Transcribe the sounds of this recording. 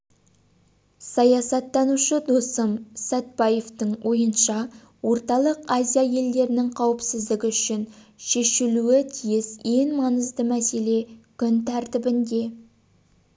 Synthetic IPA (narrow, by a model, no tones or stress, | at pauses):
sɑjɑsɑt̪ːɑnuʃəd̪osəmsæt̪̚bɑje̞ft̪əɴwʔo̞jənʃɑ | wo̞ɾt̪ɑlˠəqazʲijaje̞ld̪e̞ɾɪnɪŋqʰɑwəpsɪzd̪ɪɡʲɪʏʃɪnʃe̞ʃɪluɪt̪ʰijɪzje̞ŋmɑnəzd̪əmæse̞le̞kʲʰʏnt̪ʰæɾt̪ɪbɪnd̪e̞